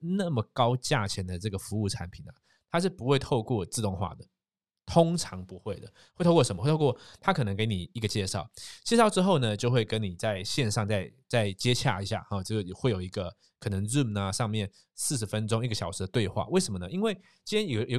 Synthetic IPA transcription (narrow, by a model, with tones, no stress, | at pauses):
na˥˩mə˩kɑ˥ʊt͡ɕja˥˩t͡ɕʰjɛ˧˥˦nd̪ə˨ʈ͡ʂɤ˥˩ɡə˩fu˧˥u˥˩ʈ͡ʂʰa̰˧˦˥npʰi˨˩nɐ˩ | t̪ʰa˥ʂ̬ɻ̩˥˩pu˧˥xwe˥˧ɪt̪ʰo˥˧ʊkwɔ˥˨t͡sɹ̩˥˧t̪ʊ˥˧ŋxwa̰˥˩d̪ə˩ | t̪ʰʊ˥ŋʈ͡ʂʰɑ˧˦ŋpu˧˦xwe˥˩ɪd̪ə˩we˥˩t̪ʰkwə˧˦m˧˥˧tʰo˥kwɔ˥˨˩t̪ʰa˦kʰɤ˨˩nə˧˦ŋke˧˥ɪni˨˩i˧˥ɡə˨˧t͡ɕjɛ˥˧ʂɑ˥˩ʊt͡ɕjɛ˥˧ʂɑ˥˩ʊʈ͡ʂɻ̩˥xo˥˩ʊnə˩t͡ɕjo˥˧ʊxwe˥˧ɪkə˦˥nni˨˩t͡sa˥˧ɪɕjɛ˥˧nʂɑ˥˧ŋt͡sa˥˧ɪt͡sa˥˩ɪt͡ɕjɛ˥t͡ɕʰja̰˥˧˩i˧˥ɕja̰˥˩xɔ˨˩t͡ɕxwe˥˩ɪjo˨˩ʊi˧˥ɡə˧ | kʰɤ˨˩nə˧˦ŋɻu˥˩na˨ʂɑ˥˧ŋmjɛ˥˩n | sɹ̩˥˩ʂ̬ɻ̩˧˥fə˦nʈ͡ʂʊ˥ŋi˥˩ɡə˩ɕjɑ˨˩ʊʂɻ̩˧˥də˧t̪we˥˧ɪxwa̰˥˩we˥˩ɪʂə˧˦mə˨nə˦˧i˦˥nwe˥˩ɪ | t͡ɕi˥njɛ˥njjo˨˩